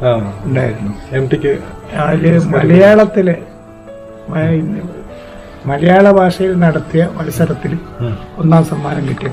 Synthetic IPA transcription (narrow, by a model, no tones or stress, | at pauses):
auɳɖaːjiɾunːuemʈikʲːɨaːilemɐlɐjaːɭɐt̪ːile | mi | mɐlɐjaːɭɐbʱaːʂɐjilnɐɽɐt̪ːijɐʋɐlisɐɾɐt̪ːil | o̞nːaːmsɐmːaːnɐmkiʈːijaɳ